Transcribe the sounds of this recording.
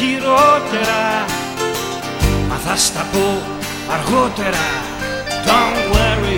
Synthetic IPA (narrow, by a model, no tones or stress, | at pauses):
iɾot̪eɾa | ma̰ðast̪apo | aɾɣot̪eɾa | dãŋwɛɾi